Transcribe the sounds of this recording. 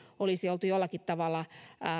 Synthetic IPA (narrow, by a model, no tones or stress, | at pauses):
olisiolt̪ujolːɑkit̪t̪ɑʋɑlːɑ